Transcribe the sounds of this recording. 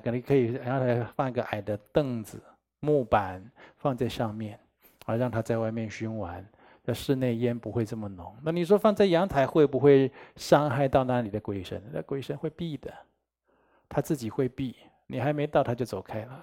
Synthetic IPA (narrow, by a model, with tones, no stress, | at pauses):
kə˨˩i˧˥˩kʰɤ˧˥i˨˩jɑ˧˥ŋt͡sʰa˧˥ɪfɑ˥˧ŋi˧˥ɡə˧˨ʔa˨˩ɪd̪ə˦t̪ɤ˥˩ŋd͡zɹ̩˨˩ | mu˥˩pa˧˥nfɑ˥˧ŋt͡sa˥˧ɪʂɑ˥˧ŋmjɛ˥˩n | ə˞˧˥ɻɑ˥˧ŋt̪ʰa˥t͡sa˥˧ɪwa˥˧ɪmjɛ˥˩nɕy˥nwa˧˥n | jʂɻ̩˥˧ne˥˩ɪjɛ˥npu˧˥xwe˥˧ɪʈ͡ʂɤ˥˩mə˩nʊ˧˥ŋna˥˩ni˨˩ʂ̬wɔ˥fɑ˥˧ŋt͡sa˥˩ɪjɑ˧˥ŋt͡sʰa˧˥ɪxwe˥ɪbu˧˦xwe˥˩ɪʂɑ˥ŋxa˥˧ɪt̪ɑ˥˩ʊna˧˥li˨˩d̪ə˦kwe˥ɪʂə̰˧˥n˥˧kwe˥ɪʂə˧˥nxwe˥˧ɪpi˥˩d̪ə˩ | t̪ʰa˥t͡sɹ̩˥˩t͡ɕi˨˩xwe˥˧ɪpi˥˩ | ni˨˩xa˧˥ɪme˧˥ɪt̪ɑ˥˧ʊt̪ʰa˥t͡ɕjo˥˧ʊt͡so˨˩ʊkʰa˥ɪlə˨